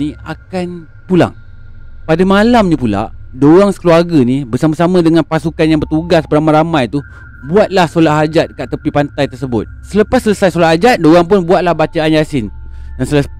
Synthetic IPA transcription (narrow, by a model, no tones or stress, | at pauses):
ia̰kan | pula̰ŋ | padamalamɲãpula̰ʔdoɣaŋsə̥kəluarɡanibərsamasamãdəŋanpasukanjaŋbərt̪uɡasbəramaɾamãjt̪u | buat̪̚lahsolaʔɦad͡ʒat̪̚kaʔt̪əpipant̪ajt̪ərsəbʊt̪̚sələpasːələsajsolaʔhad͡ʒat̪̚doɣaŋp̬ʊnbuat̪̚lahbat͡ʃaaɲasɪndansələ